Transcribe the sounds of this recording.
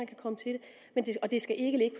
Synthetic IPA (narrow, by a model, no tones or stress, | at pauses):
ænkʰækʰɒ̽mət͡sʰe̝d̥e | mend̥e̝ɒ̽d̥e̝sɡ̥æʔe̝ɡ̥əle̝ɡ̥əpʰɒ